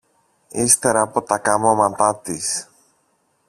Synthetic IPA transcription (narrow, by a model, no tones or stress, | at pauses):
ist̪eɾɐːpot̪ɐkɐmomɐt̪ɐt̪is